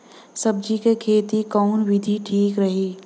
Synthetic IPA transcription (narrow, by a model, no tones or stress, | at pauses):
sɐb̚d͡ʒikekʰeːt̪ikɔːnwɪd̪ʱiʈʰiːkɾɐɦiː